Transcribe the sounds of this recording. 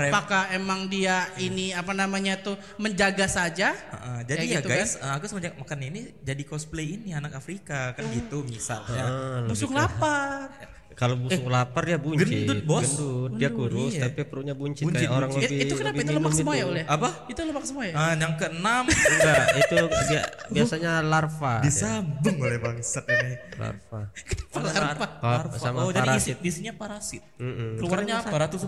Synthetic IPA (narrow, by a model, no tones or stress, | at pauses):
ɾpakaemaŋdiainiapanamaɲat̪u | məɲd͡ʒaɡasad͡ʒaə̰ʔəd͡ʒadijaɡajsəakusəmad͡ʒamakaninid͡ʒadikɔspleinianakafɾikakanɡit̪umisa̰lɲalbusʊŋlapar | kalobuɛʊŋlaparjabuɲɡənḭdʊt̪̚bɔəsdiakuɾʊst̪apipəɾuʔɲabuɲt͡ʃɪɲkajaʔoɾaŋləbɪiukənnabiaimt̪uilomumɡimajaolɛapait̪ulomaksəmajaəjaŋkəənamŋɡait̪udiabiasaɲalarfadisambʊŋolɛbaŋsat̪̚iɡala̰rfakə̥t̪ḁfaaaarsamad͡ʒadɾaisɪtisiɲapaɾasɪt̪̚m̩m̩kəluaraɲaaɾat̪us